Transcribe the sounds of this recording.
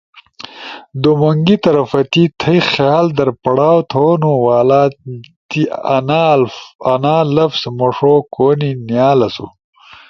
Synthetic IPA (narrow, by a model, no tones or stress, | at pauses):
d̪omoŋɡit̪ɐɾɐfɐt̪it̪ʰɐjxjaːld̪ɐɾpɐɽaːwt̪ʰoːnuwaːlaːt̪in | ɐnaːlɐfsmoʂokoːninjaːlɐsṵ